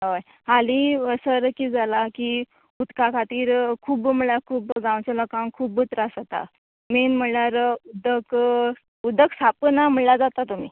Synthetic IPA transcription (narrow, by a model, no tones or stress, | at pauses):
ɦoj | haliəsəɾəkiːd͡zalaki | ud̪kakʰat̪iːɾkʰuːbm̤əɭakʰuːbɡãwt͡ɕalɔkãŋkʰuːbut̪ɾasət̪a̰ | menm̤əɭaɾud̪ʱək | ud̪ʱəksapənam̤əɭlad͡zat̪at̪um̤iː